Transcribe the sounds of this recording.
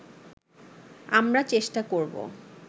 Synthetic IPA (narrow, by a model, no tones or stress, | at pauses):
amɾat͡ɕeʃʈakoɾbo̰